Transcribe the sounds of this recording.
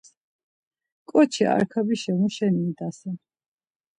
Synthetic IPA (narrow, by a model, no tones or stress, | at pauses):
kʼɔt͡ʃʰia̰ɾkʰabiʃɛmuʃɛnid̪asɛ